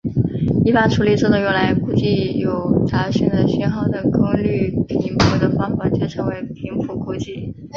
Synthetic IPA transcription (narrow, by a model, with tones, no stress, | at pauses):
i˧˥pa˨˩ʈ͡ʂʰu˧˥li˨˩ʈ͡ʂɤ˥˩d̪o˧˩ŋɥɛ˧˥nla˧˥ɪku˥˩t͡ɕi˥˩jo˨˩ʊt͡sa˧˥ɕy˥˩ŋd̪ə˧˩ɕɛ˥nxɑ˨˩ʊd̪ə˩kɤ˥ŋly˥˩pʰi˧˥ŋpʰu˧˥d̪ə˧fɑ˥ŋfa˨˩˦t͡ɕɛ˥˩ʈ͡ʂʰɤ˧˥ŋwe˧˥ɪpʰi˧˥ŋpʰu˧˥kʰu˥t͡ɕi˥˩